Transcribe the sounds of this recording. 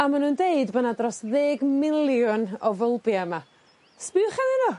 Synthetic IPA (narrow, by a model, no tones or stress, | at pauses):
amanuːndeɨdbɔnadrɔsðeːɡmɪlˠjʊnɔvəlˠbiəma | spɪχɛnɪnɔ